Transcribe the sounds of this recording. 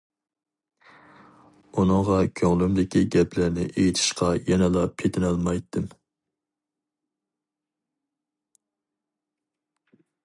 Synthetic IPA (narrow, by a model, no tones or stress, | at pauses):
unɨŋʁɑkʲʰøŋlymd̪ɪkʲʰiɡʲɛplæɾnɪ̰ʔejit̪ʰɪ̥ʃqʰɑjɛnɛlˠɑpʰet̪ʰɪnɑlˠmɑjt̪ʰːɨm